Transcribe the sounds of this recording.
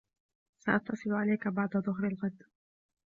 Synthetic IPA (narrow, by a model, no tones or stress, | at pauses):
saʔɑt̪ːɑsˤɨlʊʕalajkabɑʕd̪aðˤʊɦɾalɣad̪